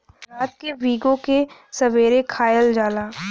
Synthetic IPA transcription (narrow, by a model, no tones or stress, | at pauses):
ɾaːt̪̚keʋiːɡõkesɐʋeːɾekʰaːjəld͡ʒaːlaː